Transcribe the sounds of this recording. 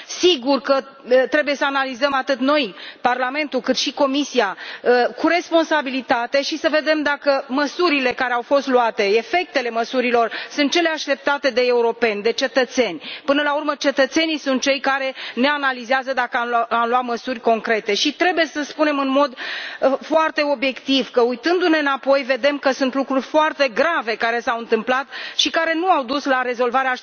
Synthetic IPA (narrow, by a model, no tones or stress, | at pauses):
siɡurkə | t̪ɾe̞buje̞səanalizəmat̪ɨt̪no̞jparlame̞nt̪ulkɨt̪ʃiko̞misiakuɾe̞spo̞nsabilit̪at̪e̞ʃisəve̞d̪e̞md̪akəməsuɾile̞kaɾe̞awfo̞st̪luat̪e̞efe̞k̚t̪e̞le̞məsuɾilo̞rsunt̪̚t͡ʃe̞le̞aʃt̪e̞p̚t̪at̪e̞d̪e̞euɾo̞pe̞nʲd̪e̞t͡ʃe̞t̪ət̪se̞nʲpɨnəlaurmət͡ʃe̞t̪ət̪se̞nijsunt̪̚t͡ʃe̞jkaɾe̞ne̞analizeazəd̪akəamamlwat̪məsurʲko̞ŋkɾe̞t̪e̞ʃit̪ɾe̞buje̞səspune̞mɨnmo̞d̪foart̪e̞o̞bje̞kt̪iv̥kəujt̪ɨnd̪une̞ɨnapo̞jve̞d̪e̞mkəsunt̪lukɾurʲfoart̪e̞ɡɾave̞kaɾe̞sawɨnt̪ɨmplat̪ʃikaɾe̞nuawd̪uslaɾe̞zo̞lvaɾea